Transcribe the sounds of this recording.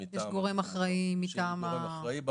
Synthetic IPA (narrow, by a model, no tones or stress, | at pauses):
jeʃɡo̞ʁemaχʁaimːit̪aːma